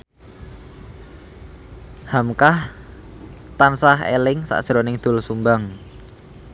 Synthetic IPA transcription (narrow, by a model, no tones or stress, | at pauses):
hamkah | t̪ansaɦḛlɪŋsa̰ʔʒ̥ɾonɪŋd̪̥ʊ̤lsumbaŋ